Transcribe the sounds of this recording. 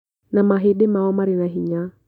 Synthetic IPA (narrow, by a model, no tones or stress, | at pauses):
namaɦeɗemaɔmaɾinaɦiɲa